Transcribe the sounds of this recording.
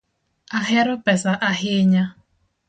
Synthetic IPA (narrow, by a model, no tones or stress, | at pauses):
aɦɪɾʊpɛsaʔaɦɪɲa